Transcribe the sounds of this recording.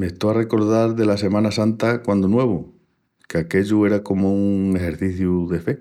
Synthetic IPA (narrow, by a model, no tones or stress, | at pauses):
meht̪oare̞ko̞ɾð̞aɾðe̞lase̞mãnasant̪akwand̪onwe̞β̞u | keake̞ʎue̞ɾako̞mouŋe̞ɦe̞ɾθiθjuðefe̞